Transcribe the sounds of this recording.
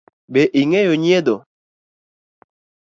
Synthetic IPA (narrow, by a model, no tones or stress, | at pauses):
beʔiŋɛjoɲed̪o